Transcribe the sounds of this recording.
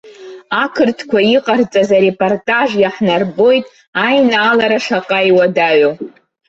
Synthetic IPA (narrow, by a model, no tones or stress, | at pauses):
akʰɨrtʰkʷʰaiqʼart͡sʼazaɾe̞pʼortʼaʒjaħnarbo̞jtʼ | ajnaːlaɾaʂaqʼajwadaɥo